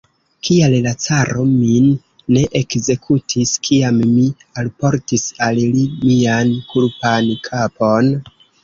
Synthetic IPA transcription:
kiallat͡saɾo̞minː | e̞ʔekze̞kʰutʰiskʰiamːi | alpo̞ɾtisallimiankulpankʰapo̞n

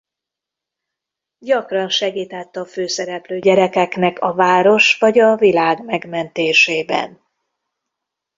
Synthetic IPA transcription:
ɟɒkrɒnʃɛɡiːt̪at̪ːɒføːsɛɾɛpløːɟɛɾɛkɛknɛkʰɒvaːɾo̞ʃʋɒɟɒvilaːɡmɛɡmɛnt̪eːʃeːbɛ̰n

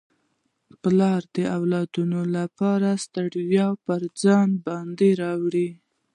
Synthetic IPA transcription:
plɑɾd̪əawlɑd̪unolapɑɾast̪aɽwjɑpəɾd͡zɑnbɑnd̪eɾɑwɽi

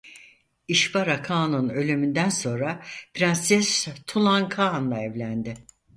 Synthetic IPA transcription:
iʃbaɾakʰaːnunø̞lʲymynd̪ænso̞nɾapʰɾansɛst̪ʰulˠaŋkʰaːnlˠaɛvlʲænd̪ɪ

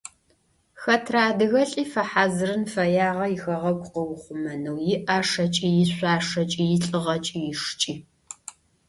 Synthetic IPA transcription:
xɐtʰraːdɨɣɐɬʼiːfɐħaːzɨrɨnfɐjaːʁɐjɪxɐʁɐɡʷʼqəwχʷʊmɐnɐwjɪʔaːʂɐt͡ʃʼiːjɪɕʷaːʂɐt͡ʃʼijɪɬʼɨʁɐt͡ʃʼijɪʂt͡ʃʼiː

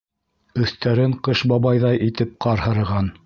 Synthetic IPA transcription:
ɵ̆θt̪æɾɘɴqɤʃbɑβɑjðɑjʔit̪ɘp̚qɑɾhɤ̆ɾɤ̆ʁɑn

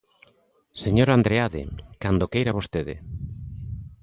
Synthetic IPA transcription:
seɲoɾand̪ɾeaðɪ̰kand̪okejɾaβost̪eðɪ̰

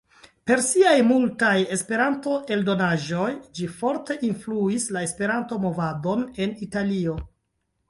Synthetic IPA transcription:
pe̞ɾsiajmultaje̞spe̞ɾanto̞ʔe̞ldo̞naʒo̞jd͡ʒifo̞ɾte̞ʔinfluislae̞spe̞ɾanto̞mo̞vado̞ne̞nitalio̞

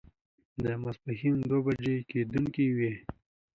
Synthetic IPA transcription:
d̪əmasbaximd̪wobad͡ʒeked̪uŋkiwe

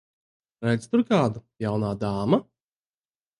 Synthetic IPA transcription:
ɾɛjt̪st̪ʊɾkaːd̪ujawnaːd̪aːma

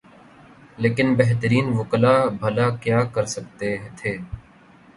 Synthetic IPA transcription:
leːkɪnbeɦt̪əɾiːnʋʊklaːbʱəlaːkjaːkəɾsək̚t̪eːt̪ʰeː

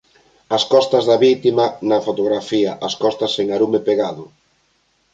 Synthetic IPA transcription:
ɐskɔst̪ɐzðɐβit̪imɐnɐfot̪oɣɾafiɐʔɐskɔst̪ɐseŋaɾumepeɣaðʊ

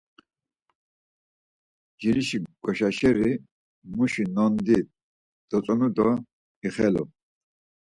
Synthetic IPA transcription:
d͡ʒiɾiʃiɡ̥ʼɔʃaʃɛɾi | muʃinɔnd̪it̪̚ | d̪̥ɔt͡sʼɔnud̪ɔ | iχɛlɔ̰

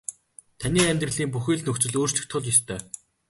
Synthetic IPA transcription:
t̪ʰaniːæmʲt̪rɘ̆ɮiːmpuxʲiːɮnɵkt͡sɘ̆ɮoːr̥t͡ɕɮɘ̆xt̪ʰʊɮjɔst̪ʰœː

